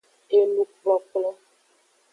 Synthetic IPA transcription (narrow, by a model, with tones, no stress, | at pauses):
e˦lu˦k͡plɔ˦k͡plɔ˦